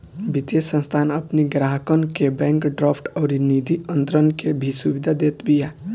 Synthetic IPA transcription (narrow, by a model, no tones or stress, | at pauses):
bʱɪt̪esə̃nst̪ʰaːnɐpniɡɾaːɦəkənkebɛ̃ːŋkɖɾaːpʈɔːɾiniːd̪iə̃nt̪ɾənkebʱisuʋɪd̪ʱad̪eːt̪bija